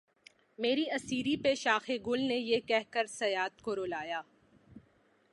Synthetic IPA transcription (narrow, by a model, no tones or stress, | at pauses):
meːɾiɐsiːɾipeʃaːxeɡʊlnejekɛɦkəɾsɐjaːt̪koɾoːlaːjaː